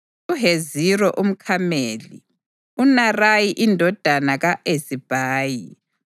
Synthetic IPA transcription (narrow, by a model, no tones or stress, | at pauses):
uɦezirɔʔum̩kʰameːlḭ | unarajiʔindʱɔd̥ʱanaɣaʔesib̥ʱaːji